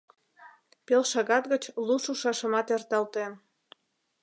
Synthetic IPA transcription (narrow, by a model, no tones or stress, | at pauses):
pelʃɑɣɑt̪ɣət͡ɕluʃuʃɑʃəmɑt̪ert̪ɑlt̪en